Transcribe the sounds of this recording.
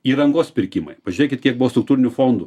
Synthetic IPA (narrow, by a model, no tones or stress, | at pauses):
iːɾɐŋɡoːspʲɪɾʲkʲɪmɐ̰ɪpɐʒʲʊɾʲeːkʲɪt̪kʲiɛk̚bʊʋost̪ɾʊk̚t̪uːɾʲɪnʲʊfoːnd̪ʊ